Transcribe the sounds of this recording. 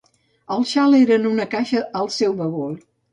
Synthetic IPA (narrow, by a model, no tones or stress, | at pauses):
əlˠʃaleɾənunəkaʃəəlˠsɛwβəɣol